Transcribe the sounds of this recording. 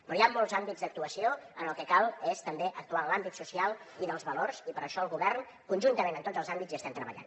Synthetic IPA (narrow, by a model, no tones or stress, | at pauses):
pɾɔjamːolˠzambizd̪ək̚t̪uəsioənəlˠkɛkalˠest̪əmbeʔək̚t̪uanlambit̪susialˠ | iðəlˠzβəlorzipəɾəʃɔəlˠɣuβɛrn | kunʲʒunt̪əmẽnənt̪odzəlˠzambiziəst̪ɛmt̪ɾəβə̰ʎa̰n